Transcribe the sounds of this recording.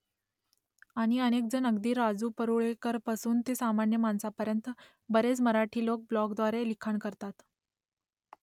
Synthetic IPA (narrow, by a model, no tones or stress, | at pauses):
aɽ̃iənek̚d͡zənəɡd̪iːɾad͡zuːpəɾuɭekəɾpasuːnt̪esamanjəmansapəɾjənt̪ə | bəɾet͡sməɾaʈʰiːlok̚blɔkd̪ʋaɾelikʰaɳkəɾt̪at̪